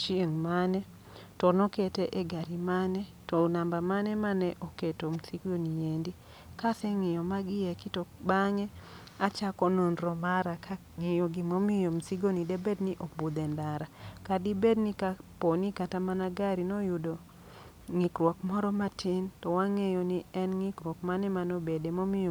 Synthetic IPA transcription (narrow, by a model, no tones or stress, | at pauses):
t͡ʃieŋmanɛ | tɔnɔketɛʔɛɡaɾimanɛtɔnambamanɛmanɛʔoketom̩siɡonijendi | kasɛŋɪjɔmaɡɪjɛkɪtɔbaŋɛ | at͡ʃakɔnonɾɔmaɾakʰa | ŋɪjɔɡimomɪjɔm̩siɡonidebedniʔobud̪ɛndaɾakadibednikaponikatamanaɡaɾinɔjʊdo | ŋɪkɾwɔkmɔɾɔmatʰɪntɔwaŋejɔniɛnŋɪkɾwɔkmanɛmanɔbedemomɪjɔ